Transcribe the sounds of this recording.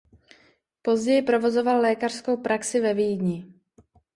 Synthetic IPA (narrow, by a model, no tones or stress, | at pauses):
po̞zɟɛjɪpɾo̞vo̞zo̞vallɛːkar̥sko̞wpɾʔaksɪvɛviːjdɲɪ